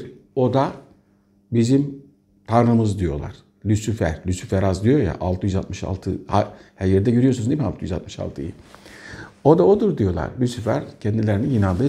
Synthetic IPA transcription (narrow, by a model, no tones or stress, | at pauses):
o̞d̪a | bizim | t̪ʰanɾɯmɯzd̪ijo̞̰lˠa̰ɾ̥ | lʲysyfæɾ̥lʲysyfæɾazd̪ijo̞ja̰ʔalˠt̪ʰɯjyzat̪̚mɯʃa̰lˠt̪ʰɯhahæɾjɛɾd̪ɛɟøɾyjo̞sunzimialˠt̪ʰɯjyza̰t̪̚mɯʃa̰lˠt̪ʰɯ̰jɯ̰ | o̞d̪aod̪uɾd̪ijo̞lˠa̰ɾlʲysyfæ̰ɾcʰɛnd̪ilʲeɾinijɯnalˠd̪ɯː